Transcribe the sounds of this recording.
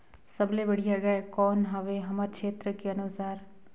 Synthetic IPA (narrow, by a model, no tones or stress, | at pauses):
səblebɐɽijaɡaekɔːnɦaʋeɦɐmaɾt͡ʃʰeːt̪ɾəkeɐnʊsaːɾ